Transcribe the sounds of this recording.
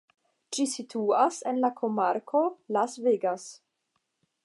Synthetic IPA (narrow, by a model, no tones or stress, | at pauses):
t͡ʃisitʰuasenlakʰomaɾkʰo̞lasveɡas